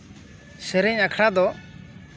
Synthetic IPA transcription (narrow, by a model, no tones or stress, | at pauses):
sɛɾɛɲakʰɽad̪ɔ